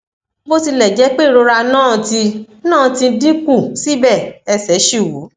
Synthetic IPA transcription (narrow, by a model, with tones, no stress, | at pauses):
bo˦ti˧lɛ˨d͡ʒɛ˨˦k͡pe˦˨ɾo˧ɾa˧nãː˦˨˧ti˧ | nãː˦˨tĩ˧˦dĩ˦ku˦˨si˦bɛ˦˨ɛ˧sɛ˨˦ʃi˦˨wo˨˦